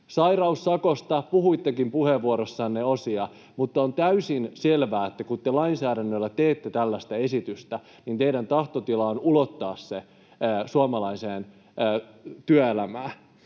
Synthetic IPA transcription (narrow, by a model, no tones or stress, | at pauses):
sɑirɑusːɑkost̪ɑpuhuit̪ːekimpuheʋːuoɾosːɑːnneosiɑ | mut̪ːɑont̪æysinselʋæːet̪ːækut̪ːelɑinsæːɾænːølːæt̪eːt̪ːet̪ælːæst̪æesit̪yst̪æ | nint̪eidænt̪ɑht̪ot̪ilɑonulot̪ːɑːsːeː | suɑmɑlɑiseːnː | t̪yæelæmæː